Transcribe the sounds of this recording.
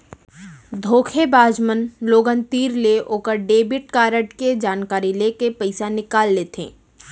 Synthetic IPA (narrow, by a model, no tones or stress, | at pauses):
d̪ʱoːkʰebaːd͡ʒmənloːɡənt̪iːɾleʔoːkəɾɖeːbɪʈ̚kaːɾəʈked͡ʒaːnkaːɾilekepɐɪsanɪkaːlːeːt̪ʰḛ̃ː